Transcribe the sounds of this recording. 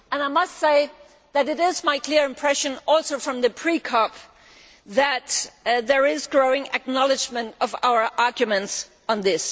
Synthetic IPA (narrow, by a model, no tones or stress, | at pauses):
ə̃naɪmʌstseɪ | ðɨɾɨɾɪzmaɪkʰl̥ɪɹɨ̃mpʰɹ̥ɛʃɨ̃nɔlˠsoʊfɹʌ̃mðɨpʰɹ̥ikʰɑp | ðɨt̪̚ðə˞ɪzɡɹoʊɪ̃ŋɨk̚nɑlˠɨd͡ʒmɨ̃ntʌva̰ʊə˞ʔɑɹɡjɨmɨ̃nts | n̩ðɪs